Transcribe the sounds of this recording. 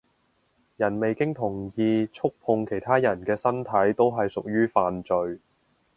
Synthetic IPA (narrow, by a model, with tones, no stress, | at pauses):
jɐ˨˩nme˨jkɪ˥ŋt̪ʰʊ˨˩ŋjiː˧t͡sʰʊ˥k̚pʰʊ˨˧ŋkʰe˨˩jt̪ʰaː˥jɐ˨˩nkɛː˧sɐ˥nt̪ʰɐ˨˥jt̪o˥wɦɐ˨jsʊ˨k̚jyː˥faː˨nt͡ʃɵ˨ɥ